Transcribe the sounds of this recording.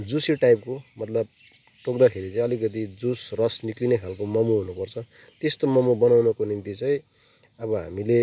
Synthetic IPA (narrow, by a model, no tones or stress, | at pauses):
d͡zusiʈajp̚komʌt̪lʌb̚ | ʈok̚d̪akʰeɾit͡sʌ̃ĩʌlikʌt̪̬id͡zusrʌsniklinekʰalkomʌmuɦunupʌrt͡sʰʌ | t̪est̪omʌmubʌnawnʌkonint̪it͡saĩ | ʌbβʌɦa̰mile